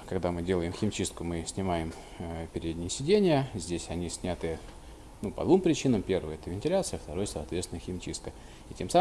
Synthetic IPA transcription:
kɐɡd̪amɨdʲe̞lˠəjɪmxʲɪmʲt͡ɕist̪kʊmɨsʲnʲɪmajɪm | pʲɪɾʲed̪ʲnʲɪjəsʲɪdʲenʲɪjəzʲdʲesʲɐnʲisʲnʲat̪ɨ | nupɐ̰d̪vumpɾʲɪt͡ɕinəmpʲe̞rvəjəɛt̪əvʲɪnʲtʲɪlʲat̪sɨjəft̪ɐɾo̞jəsɐːt̪vʲet̪sʲɪnəxʲɪmʲt͡ɕḭst̪̚kə | ɪtʲe̞msa

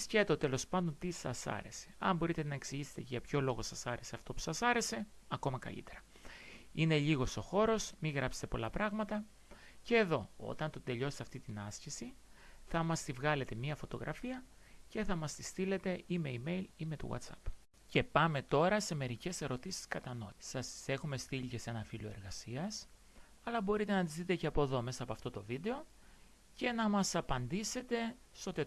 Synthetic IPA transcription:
scet̪ot̪e̞lo̞spɐnd̪o̞nt̪isɐ̰sɐ̰ɾe̞se̞̥ɐ̰mbo̞ɾit̪enɐe̞ksiʝise̥t̪e̞cʝɐpço̞lo̞ɣo̞sɐsɐɾe̞se̞ɐft̪o̞pu̥sɐsɐɾe̞se̞ | ɐko̞mɐkɐ̰ʎḭt̪e̞ɾɐ | ine̞ʎiɣo̞so̞xo̞ɾo̞smiɣɾɐpse̥t̪e̞po̞lɐpɾɐɣmɐt̪ɐ | ce̞ːðo̞o̞̰t̪ɐnt̪o̞d̪e̞ʎo̞set̪eɐft̪it̪inɐscisiθɐmɐst̪ivɣɐle̞t̪e̞mɲiɐfo̞t̪o̞ɣɾʔɐ̰fiɐ | ce̞θɐmɐst̪ist̪ile̞t̪e̞ime̞ime̞jlime̞t̪ṵɣɐ̰t̪sɐ̰p | ce̞pɐme̞t̪o̞ɾɐse̞me̞ɾice̞se̞ɾo̞t̪isi̥skɐt̪ɐno̞sɐse̞xume̞st̪iʎice̞senɐfiloe̞̰ɾɣɐsiɐs | ɐlɐbo̞ɾit̪e̞nɐt̪izðit̪e̞ceɐpo̞ðo̞me̞sɐpɐft̪o̞t̪o̞vid̪e̞o̞ | ce̞nɐmɐsɐpɐnd̪ise̞t̪e̞st̪o̞t̪e

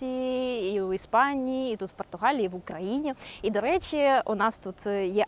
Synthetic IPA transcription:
iiiwispɑnʲijiːt̪ut̪w̥pɔrt̪ʊɦɑlʲiiʋʊkɾɐjinʲiid̪ɔɾɛt͡ʃʲiunɑst̪ut̪jɛ

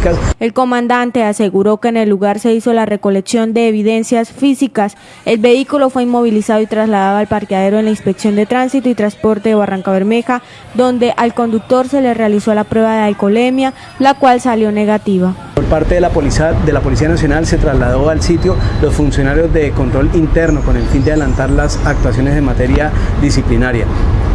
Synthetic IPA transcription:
kase̞lko̞mãnd̪ant̪e̞ase̞ɣuɾo̞ke̞ːne̞lːuɣaɾse̞iso̞lare̞ko̞le̞ksjo̞nd̪e̞ːβ̞iðe̞nsjasfisikas | e̞lbe̞ikulo̞fweinmo̞β̞ilisaðo̞it̪ɾazlaðaðo̞alpaɾt̪jaðe̞ɾo̞enlainspe̞ksjo̞nd̪e̞t̪ɾansit̪oit̪ɾanspo̞ɾt̪e̞ðeβarʔaŋkaβe̞ɾme̞xa | ðo̞nd̪e̞ʔalko̞nd̪uk̚t̪o̞ɾse̞le̞re̞aliso̞lapɾwe̞βaðealko̞le̞mja | lakwalsaljo̞ne̞ɣat̪iβ̞apoɾpaɾt̪ed̪elapo̞lisianasjonalse̞t̪ɾazlaðo̞alsit̪jo̞lo̞sfunsjo̞naɾjo̞zd̪e̞ko̞nt̪ɾo̞lint̪e̞ɾno̞ko̞ne̞lfind̪eaðelant̪aɾlasak̚t̪was̬jo̞ne̞zðemat̪e̞ɾja | ðisiplinaɾja̰

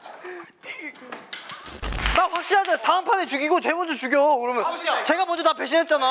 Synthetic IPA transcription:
makɸwak̚ɕ͈inɦadetaɯmpʰanet͡ɕuɡiɡot͡ɕebʌnd͡ʑot͡ɕuɡjʌkɯɾʌmjʌnt͡ɕe̞ɡamʌnd͡ʑotap̬we̞ɕʰint̚t͡ɕ͈ana

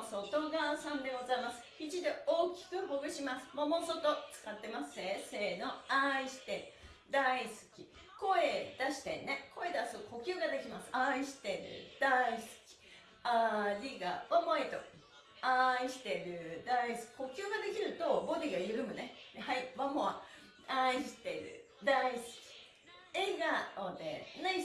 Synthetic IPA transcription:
so̞t̪o̞ɡasãnd̪e̞ɡo̞zaimasɨ̥çid͡ʑid̪e̞o̞ːkʲi̥kɯ̟hoɡɯ̟ɕimasɨ̥momo̞so̞t̪o̞t͡sɨ̥kat̪ːe̞masɨ̥eːse̞ːnoaiɕi̥t̪e̞ɾɯ̟ | d̪aisɨ̥kʲi | ko̞e̞d̪̥aɕi̥t̪e̞̰neko̞e̞d̪asɨko̞kʲɨːɡad̪e̞kʲimasɨ̥aiɕi̥t̪e̞ɾɯ̟̰d̪̥aisɨ̥kʲi̥ | aɾʲiɡa̰βamait̪o̞̰ | aiɕi̥t̪e̞ɾɯ̟d̪aisɨ̥kʲi̥ko̞kʲɨːɡad̪e̞kʲiɾɯ̟t̪o̞bod̪eiajɯɾɯ̟mɯ̟nehaiβamoa | aiɕi̥t̪e̞ɾɯ̟̰ | d̪aisɨ̥kʲi̥ | eɡaod̪ḛnai

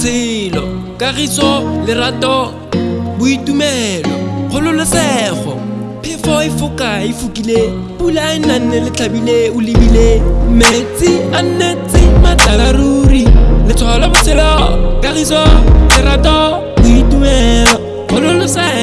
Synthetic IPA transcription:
sʰɪlɔ | kʼaɣisɔlɪɾatʼɔ | bʊitumɛlɔχʊlʊlʊsɛχɔ̰ | pʰɪfɔɪfʊkʼaɪfukʼile | pulaɪnan̩nɛlɪt͡ɬʰabileʊlɪbilem̩met͡sɪan̩net͡sɪmat͡ɬaarurilɪt͡sʰɔlɔbʊsɪlɔkarisɔlɪɾatɔ | bʊitumɛlɔ | ɣʊlʊlʊsɛ

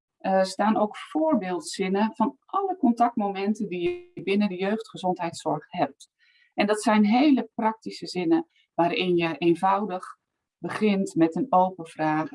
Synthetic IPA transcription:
əstaːnowkfoːrbeːlˠtsɪnəvɔnʔɑləkɔntɑk̚tmomɛntəndijəbɪnəndəjøɥχtχəzɔntɦɛjtsɔrχhɛp̚t | ʔɛndɑtsɛjnɦejləprɑk̚tisəzɪnə | ʋaːɾɪnjəʔeːnvʌwdəχ | bəχɪntmɛtənoːwpəfraːɣə

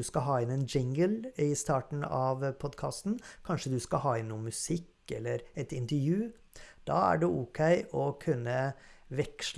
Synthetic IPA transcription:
ʉskɑɦɑːɪnɛnd͡ʒɪŋɡəlɪst̪ɑːʈn̩ɑʋpʰɔd̪kʰɑ̰ːst̪n̩kʰɑnʂəd̪ʉskɑhɑːɪnːuːnmʉsɪkː | ɛlːəɾɛt̪ɪnt̪əɾjʉː | d̪̥ɑ̰ːæ̰ɖɛʔʊkʰɛɪʔɔkʰʉnːəʋɛkʂ

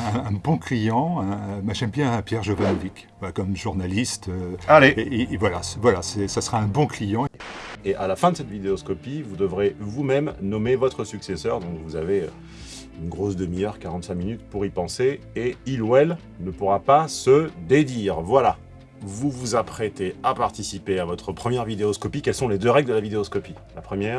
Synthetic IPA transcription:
ɛ̃ɛ̃bɔ̃klijɑ̃ɛ̃maʒɛmbjɛ̃pjɛʁʒovanɔvik | kɔmʒuʁnalist̪øalevwalasvwalasɛsasəʁaɛ̃bɔ̃klijɑ̃eʔalafɛ̃d̪əsɛt̪vid̪eɔskɔpivud̪əvʁevumɛmnɔmevɔt̪χəsyksesœʁd̪ɔ̃kvuzaveø̰ | ynɡʁosd̪əmijœʁkaʁɑ̃t̪sɛ̃minyt̪puʁipɑ̃seeilwɛl | nəpuʁapasəd̪ed̪iːʁvwala | vuvuzapχet̪eapaʁt̪isipeavɔt̪χəpχəmjɛʁvid̪eɔskɔpikʲɛlsɔ̃led̪øʁɛɡld̪əlavid̪eɔskɔpi | lapχəmjɛːʁ

